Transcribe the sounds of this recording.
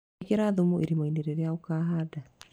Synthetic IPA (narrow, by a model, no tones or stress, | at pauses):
keɾaðumueɾimaineɾeɾeaokaːɦada